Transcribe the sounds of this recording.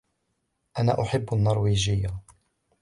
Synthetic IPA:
ʔana̰ːʔʊħɪbːanːɑɾˤwiːd͡ʒɪjːa

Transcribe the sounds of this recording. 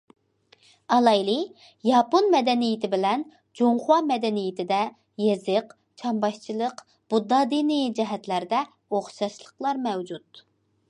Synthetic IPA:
ɑlˠɑjlˠɨ | jɑponmɛd̪ɛnijɪt̪ʰɪbɪlɛn | d͡ʒoŋχwɑmɛd̪ɛnijɪt̪ʰɪd̪ɛ | jezɨq | t͡ʃʰɑmbɑʃt͡ʃʰilˠəq | b̥ud̪ːɑd̪inid͡ʒɛɦɛt̪læɾd̪ɛ | oχʃɑʃlˠəqlˠɑɾmɛwd͡ʒut̪

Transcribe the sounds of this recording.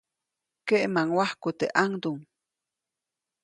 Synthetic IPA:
keʔmaŋwahkut̪eʔaŋd̪uŋ

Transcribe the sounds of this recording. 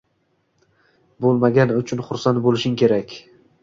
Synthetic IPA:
bolˠmaɡʲanɪʊt͡ʃʰʊnχʊɾsant̪bolɪʃɪŋkʲʰe̞ɾakʲ

